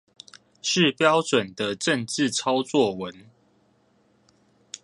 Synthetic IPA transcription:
ʂɻ̩˥˨pjɑ˦ʊʈ͡ʂwə˨˩nd̪ə˨ʈ͡ʂə˥˨nt͡sɻ̩˥˨t͡sʰɑ˦ʊt͡swɔ˥˨wə˨˦n

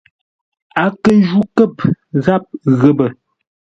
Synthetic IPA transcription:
a˨kə˦n˦d͡ʒu˦kə˦˨p̚ɣa˦p̚ɣə˦˨bə˨

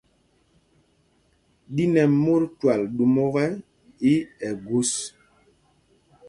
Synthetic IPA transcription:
di˦nɛ˨mo˦ɾtwa˨lɗu˨mo˦ɣɛ˦ | i˦ɛ˨ɡu˦s

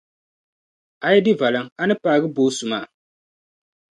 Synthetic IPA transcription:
a˨jɛ˦dɪ˦va˨la˨ŋa˦nɨ˦paː˨ɡɨ˦boː˦sʊ˨maː˨

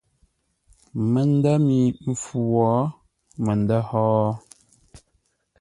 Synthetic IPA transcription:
mə˨n˦də˦mi˨m̩˨fu˨wɔ˨˦ | mə˨n˨də˦hɔː˦

